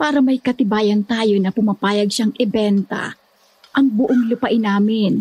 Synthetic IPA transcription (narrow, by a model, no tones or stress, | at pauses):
paːɾɐmɐjkɐt̪ɪbaːjɐnt̪aːjo̞nɐpʊmɐpaːjɐɡ̚ʃaŋʔɛbɛnt̪ɐ̰ | ʔɐŋbʊʔoŋlʊpɐʔɪnaːmɪn